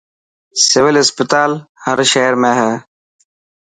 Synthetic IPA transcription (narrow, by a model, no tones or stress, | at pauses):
sɪʋɪlɪspɪt̪aːlhɐɾʃeːɾmẽːɦɛː